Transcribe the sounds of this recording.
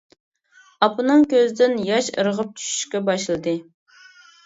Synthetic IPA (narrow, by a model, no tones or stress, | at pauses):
ɑpɨnɨŋkʲʰøzd̪ɪnjɑʃə̰ɾəʁəp̚t͡ʃʰy̥ʃy̥ʃkʲɛbɑʃlˠɨd̪ɨ